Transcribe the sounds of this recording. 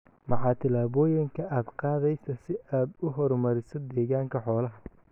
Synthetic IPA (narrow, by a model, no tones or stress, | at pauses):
mɑħɑːt̪ʰɪlaːβɔːjɪŋkʰɐʔaːd̪qɑːðɛjsɐsɪaːd̪ʊɦɔɾmɐɾɪsɔd̪ɛːɣaːŋkʰɐħɔːlɐɦɐ